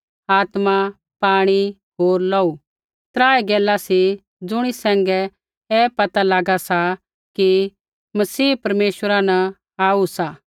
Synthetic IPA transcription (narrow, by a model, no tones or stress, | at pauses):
aːt̪ma | paːɽ̃i | ɦoːɾlɔːu | t̪ɾaːɛɡɛːlasi | d͡zʊɽ̃isɛ̃ːŋɡɛ | ɛːpɐt̪alaːɡasa | ki | mɐsiːpɐɾmeːʃwəɾanɐ | aːusaː